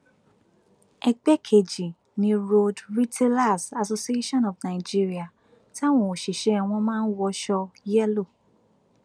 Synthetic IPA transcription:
ɛ˧k͡pɛ˦kʰe˨d͡ʒi˨ | nĩ˧ɾo˦˧dɾi˦tʰe˦la˦˨sa˨so˧si˨e˦ʃɔ̃˦nɔ˨fnã˨d͡ʒi˦ɾi˦a˨ | ti˦a˦˨w̃ɔ̃˧˨o˨ʃi˨ʃe˨˦ɛ˧w̃ɔ̃˧mãː˦˧n̩˦wɔ˧ʃɔ˧jɛ˦lo˦˨

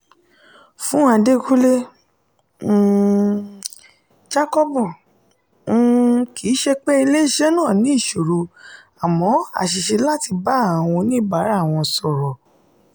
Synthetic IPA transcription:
fũ˨˦a˧de˦ku˦le˦˨ | d͡ʒa˦kɔ˦bu˦˨˦ | kʰi˨˦ʃe˧k͡pe˦i˧le˦˨ʃe˦nãː˦˨nĩ˨˦i˦˨ʃo˨ɾo˧ | a˨mɔ̃˨˦a̰˦˨ʃi˨ʃe˧la˦ti˧ba˦a˨w̃ɔ̃˧nĩ˦ba˨˦ɾa˦˨w̃ɔ̃˧sɔ˨ɾɔ˨

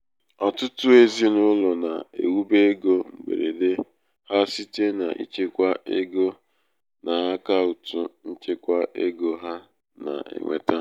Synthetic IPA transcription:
ɔ˨tʊ˦tʊ˦e˦zi˦nʊ˦lɔ˨na˨ḛ˨wu˦be˦ɡo˦ŋ͡m̩˨ɡ͡bḛ˨ɾe˨de˦ | ha˦si˦te˦na̰˨ʔḭ˦t͡ʃe˦kʷa˦ʔe˦ɡo˦ | nʔa˨ɦa˦ka˦u˨tu˦n̩˦t͡ʃe˦kʷa˦ʔe˦ɡo˨ɦa˦ | na̰˨ḛ˨ŋʷḛ˨ta˦

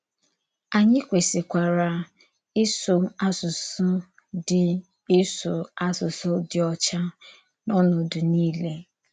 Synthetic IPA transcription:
a˨ɲɪ˦kʷe˨sɪ˨kʷa˨ɾa˨ | ɪ˦sʊ˨a˦sʊ˨sʊ˦ | dɪ˨ | ɪ˦sʊ˨a˦sʊ˨sʊ˦dɪ˨ɔ˦t͡ʃa˦ | nɔ˦nʊ˨dʊ˨niː˦le˦

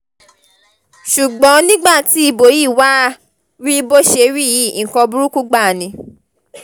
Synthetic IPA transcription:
ʃu˨ɡ͡bɔ̃˨˦nĩ˦ɡ͡ba˦˨ti˨˦i˧bo˨ji˦˨wa˦ | ɾi˦bo˦ʃe˧ɾi˦˨ji˦˨kɔ̃˧bu˦ɾu˦ku˦ɡ͡ba˦˨nĩ˧˦

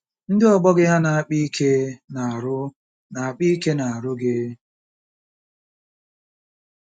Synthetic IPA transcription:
n̩˦dɪ˦ɔ˨ɡ͡bɔ˦ɡɪ˦ɦa˦na˨a˦k͡pi˦i˦kʰe˦na˨a˨ɾʊ˦ | na˨a˨k͡pi˦ke˦na˨a˨ɾʊ˦ɡɪ˦

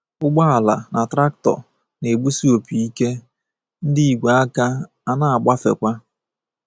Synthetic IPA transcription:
ʊ˦ɡ͡ba˦a˨la˨na˨tɾa˦k̚tɔ̰˨ | ne˨ɡ͡bu˦si˦o˨pi˨i˦ke˦ | n̩˦di˦i˨ɡʷa˨a˦ka˦ | a˨na˦a˨ɡ͡ba˦fḛ˨kʷa˦

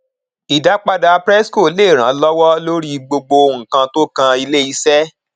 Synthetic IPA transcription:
i˨da˨˦k͡pa˧da˧pɾɛ˦sko˦˨le˦˨ɾ̃ã˨˦lɔ˦wɔ˦lo˦ɾi˦ɡ͡bo˧ɡ͡bo˧o˧ũ˨kã˧to˦kã˧i˧le˦i˨˦sɛ˦

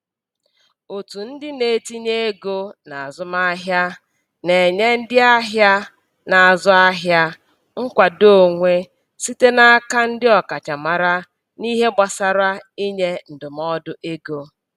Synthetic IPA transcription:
o˨tu˨n̩˦dɪ˦ne˨˦ti˦ɲe˦e˦ɡo˦na˨a˨zʊ˦ma˦ɦja˦ | ne˨ɲe˦n̩˦dɪ˦a˦ɦja˦ | na˨a˨zʊ˦a˦ɦja˦ | ŋ̩˦kʷa˨do˦˨ŋʷe˦ | si˦te˦na˦ka˦n̩˦dɪ˦ɔ˨ka˨t͡ʃa˨ma˨ɾa˦ | ni˦ɦe˦ɡ͡ba˨sa˨ɾa˦i˦ɲe˦n̩˨dʊ˨m˦ɔ˦dʊ˦ʔe˦ɡo˦

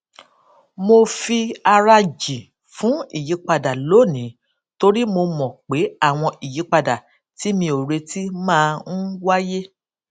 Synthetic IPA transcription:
mo˧fi˧a˧ɾa˧d͡ʒi˨ | fũ˨˦i˦˨ji˨˦k͡pa˧da˨lo˨˦˨nĩ˨˦ | to˧ɾi˦mo˧mɔ̃˨k͡pe˨˦a˦˨w̃ɔ̃˧i˨ji˨˦k͡pa˧da˨ | ti˨˦mĩ˧o˨ɾe˧ti˦mãː˦˧n̩˦wa˦je˦

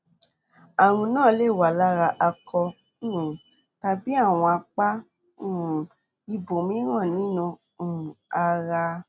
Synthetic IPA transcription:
a˨ɾ̃ũ˧nãː˦˨˦le˦˨wa˨la˦ɾa˧ʔa˧kɔ˧˦˨ | ta˧bi˦a˦˨w̃ɔ̃˧a˧k͡pa˦˨ | i˧bo˨mĩ˨˦ɾã˦˨nĩ˨˦nũ˧˦˨ | a˧ɾa˧

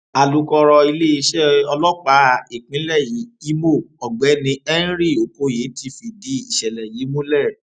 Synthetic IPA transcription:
a˨lu˨˦kɔ˧ɾɔ˧i˧le˦i˧˦ʃɛ˦ɔ˧lɔ˦k͡pa˨˦˨i˨k͡pĩ˨˦lɛ˦˨ji˨˦i˦mo˦˨ɔ˨ɡ͡bɛ˨˦nĩ˧ɛ˦n˦ɾi˦˨o˨ko˦je˨˦ti˧˦fi˧di˨˦i˦˨ʃɛ˨lɛ˨jiː˨˦mõ˦lɛ˦˨ɾ

